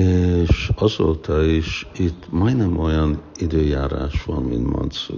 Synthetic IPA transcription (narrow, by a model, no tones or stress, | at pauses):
eʃɒzoːt̪ɒiʃit̪ːmɒjnɛmʔo̞jɒnid̪øːjaːɾa̰ːʃʋɒnmḭnt̪mɒ̰nsu